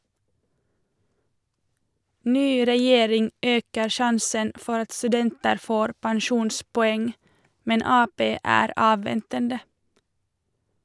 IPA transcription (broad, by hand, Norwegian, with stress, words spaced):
ˈnyː ɾɛˈjeːɾɪŋ ˈøːkəɾ ˈʃɑnsən ˈfɔɾ ˈɑt stʉˈdɛntəɾ ˈfoːɾ pænˈʃuːnspɔˌɛŋ ˈmɛn ˈɑːˌpeː ˈæːɾ ˈɑːʋʋɛntəndə